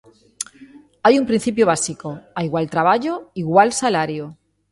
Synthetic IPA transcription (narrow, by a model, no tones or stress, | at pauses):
ajumpɾin̟θip̬joβ̞asikoajɣwalt̪ɾaβ̞aʝoiɣwalsalaɾjo